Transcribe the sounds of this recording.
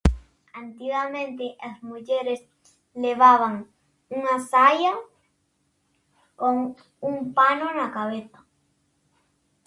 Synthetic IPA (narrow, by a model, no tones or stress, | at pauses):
ant̪iɣamẽnt̪eʔasmuʝeɾes | leβaβaŋ | unasaja | koŋ | umpanoenakaβeθa